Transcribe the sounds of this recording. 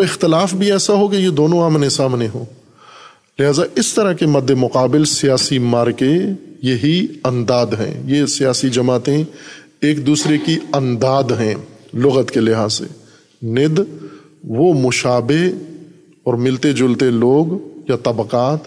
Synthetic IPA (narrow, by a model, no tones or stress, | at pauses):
oɪxt̪ɪlaːfbʱiɛːsaɦokejed̪oːnõaːmnesaːmneɦoː | lɪɦaːzaʔɪst̪ɐɾəɦkemɐd̪ʱːemʊqaːbɪlsijaːsimaːɾkejɐɦiɐ̃nd̪aːd̪ɦɛ̰̃jesijaːsid͡ʒɐmaːt̪ẽ | eːk̚d̪uːsɾekiɐ̃nd̪aːd̪ɦɛ̃ːlʊɣət̪kelɪɦaːzḛ | nɪd̪ | ʋomʊʃaːbeɦ | ɔːɾmɪlt̪ed͡ʒʊlt̪eloːɡjat̪ɐbqaːt̪